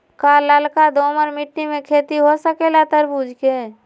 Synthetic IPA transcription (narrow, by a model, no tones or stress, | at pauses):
kaːlːəlkad̪oːməɾmɪʈnimẽkʰeːt̪iɦosəkelat̪əɾbuːd͡ʒʱke